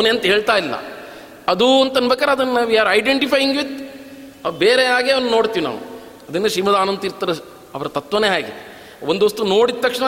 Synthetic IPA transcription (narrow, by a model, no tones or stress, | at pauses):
ɐʋneːɐnt̪ɐɦe̞ːɭt̪aːjilːɐ̰ | ɐd̪uɐnt̪ɐnbʱɐkaːɾeɐd̪ɐnːnaːʋiaːɾɐjɖeɳʈipʰɐjiŋɡʋid̪ | beːɾeɦaːɡeːɐʋɐnːuno̞ːɽt̪iːʋina̰ːʋṵ | ɐd̪ɐnːeʃɾiːmɐd̪aːnɐnt̪iɾt̪ːaɾe | ɐʋɐɾɐt̪ɐt̪ʋɐneːɦaːɡḛ | ond̪uɐst̪uno̞ːɽid̪̚t̪ːɐkʂɳɐ